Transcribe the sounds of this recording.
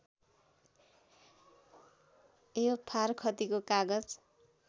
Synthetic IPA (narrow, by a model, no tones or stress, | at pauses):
ejopʰarkʰʌt̪ikokaɡʌd͡z